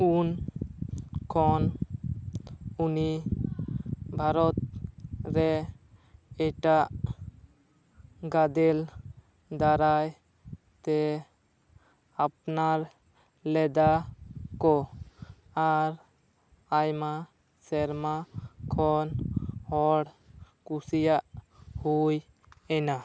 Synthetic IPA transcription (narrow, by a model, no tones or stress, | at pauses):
un | kʰɔn | uni | bʱaɾɔt̪̚ɾɛ | ɛʈaʔ | ɡad̪ɛl | d̪aɾaj | t̪ɛ | ap̚naɾ | lɛd̪akɔ | aɾ | ajma | sɛɾmakʰɔnhɔɽ | kusijaʔhuj | ɛna